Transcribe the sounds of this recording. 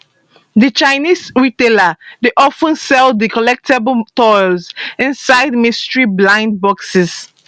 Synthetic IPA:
dit͡ʃaɪnisɹiteladeʔɔfə̃nsɛlddikɔlɛk̚tʰebltɔjlzĩnsaɪdmĩstɹiblãɪ̃nd̚bɔksɪs

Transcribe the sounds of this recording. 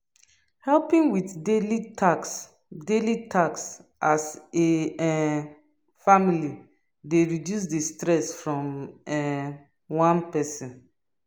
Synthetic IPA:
hɛlpĩŋwitdelias | delitʰaksʔaseɛ | famili | deɹidjus̬distɹɛsfɹɔ̃mɛ | wãnpɛsɔ̃n

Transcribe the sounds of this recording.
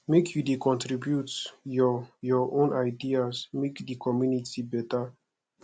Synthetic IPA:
mekʰjudekʰɔ̃ntɹibjutjɔjɔʔõnaɪdiasmekdikʰɔmjunitibɛta

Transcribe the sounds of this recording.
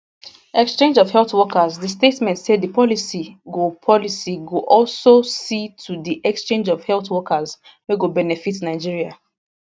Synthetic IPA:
ɛkst͡ʃẽnd͡ʒɔv̥hɛltwɔkəzðəstetmɛ̃ntseddəpʰɔlisiɡopʰɔlisiɡoʔɔlsositʰudiʔɛkst͡ʃẽnd͡ʒɔvhɛltwɔkʰəz | weɡobɛnɛfitnaɪd͡ʒiɹia

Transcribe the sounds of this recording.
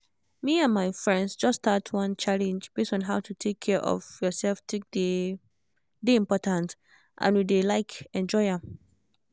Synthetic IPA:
miãnmaɪfɹɛ̃ndsd͡ʒʌstʰatʰwʌ̃nt͡ʃʰalɛ̃nd͡ʒb̥estɔ̃nɦaʊtʰutʰekʰːɛʔɔ̰vjɔsɛlftʰek̚de | deĩmpɔtãnt | ʔã̰nwidelaɪkɛ̃nd͡ʒɔɪa

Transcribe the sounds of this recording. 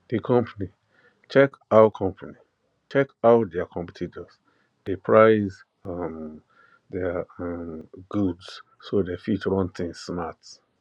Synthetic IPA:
d̥ekʰɔ̃mpʰani | t͡ʃɛkaʊkʰɔ̃mpʰani | t͡ʃɛkaʊt̚dɛakʰɔ̃mpitʰitɔs | d̥epʰɹaɪz | am | dɛmɡ̥udssodɛfut͡ʃɔɹɔ̃ntʰĩŋsnats

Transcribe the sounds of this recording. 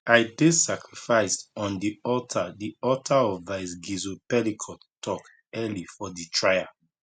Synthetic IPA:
aɪdesakɹifaɪstɔ̃ndiɔtʰadiɔtʰaɔvvaɪsɡizopɛlikʰɔ | tɔk | ɛlifɔditʰɹaɪa

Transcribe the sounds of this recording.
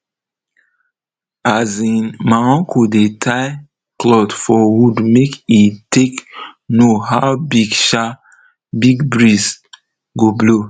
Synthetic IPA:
azĩnmaɔ̃kʰudetʰaɪ | klɔdfɔwudmekitʰeknohawbiɡʃa | biɡbɹiz | ɡoblo

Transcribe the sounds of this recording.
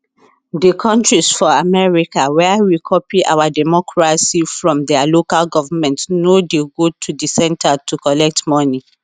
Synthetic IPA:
dəkʰɔ̃ntɹisfɔamɛɹikawɛəwikʰɔpiʔa̰wadɛmɔkʰɹasifɹɔ̃mdɛalokalɡɔvamɛ̃ntnodeɡotʰudisɛ̃ntatʰukɔlɛk̚tmɔni

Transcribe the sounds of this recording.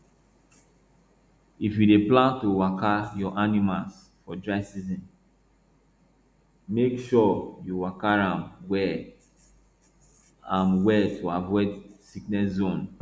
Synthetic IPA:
ifjudeplãntowakajɔʔanimals | fɔdɹaɪsizĩn | mekʃɔjuwakaɹãmwɛ | ãmwɛtʰuavɔdsiknɛszõn

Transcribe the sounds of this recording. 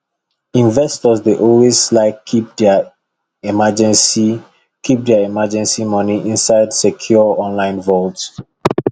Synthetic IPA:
ĩnvɛstɔsdeʔɔlwezlaɪkip̚d | imad͡ʒɛ̃nsi | kʰip̚dɛaimad͡ʒɛ̃nsimɔniʔĩnsaɪdsɛkʰjuɔɔ̃nlãɪ̃nvɔt

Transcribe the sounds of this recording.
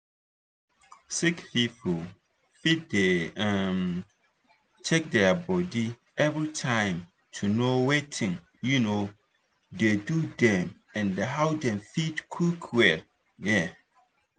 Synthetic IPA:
sikpipʰul | fit̚deam | t͡ʃʰɛk̚dɛbɔdi | ɛvɹitʰãɪ̃m | tʰunowetʰɪ̃ŋ | juno | dedudɛ̃m | ɛ̃ndeɦawdɛ̃mfidkʰukʰwɛ | jɛ

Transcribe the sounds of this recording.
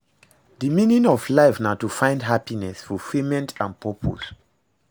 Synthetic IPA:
diminĩŋɔvlaɪfnatufãɪ̃ndɦapinɛsfɔfimɛ̃ntʰãnpʰɔpʰɔ̰z

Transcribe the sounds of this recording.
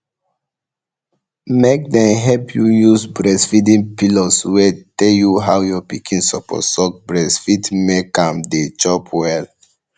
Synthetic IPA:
mek̚dɛ̃nɦɛpʰjujusbɹɛsfidĩnpilɔswɛtɛljuɦawjɔpikʰĩnsɔpʰɔ̰tsɔk̚bɹɛsfitmekãmdet͡ʃɔpwɛl

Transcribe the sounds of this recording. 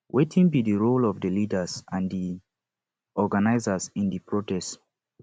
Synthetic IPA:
wʔetʰĩŋbidəɹolɔvdəlidəzãndi | ɔɡanaɪzəzĩndipʰɹotɛst

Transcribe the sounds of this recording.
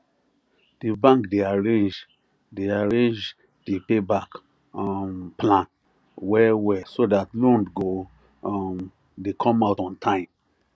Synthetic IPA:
d̥ibãŋkdeaɹẽnd͡ʒ | deaɹẽnd͡ʒ | d̥epebak | mplãn | wɛwɛsodatlɔ̃ndɡo | m | dekʰɔ̃maʊtɔ̃ntʰãɪ̃m

